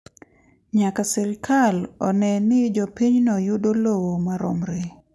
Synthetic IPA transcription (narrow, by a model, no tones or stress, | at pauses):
ɲakasɛɾkʰalɔnɛnɪd͡ʒɔpiɲnɔjudolowomaɾɔmɾe